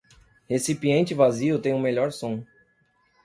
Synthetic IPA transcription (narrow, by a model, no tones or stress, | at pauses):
hesipiẽnt͡ʃɪvaziʊt̪ẽj̃ũmeʎɔɾsõ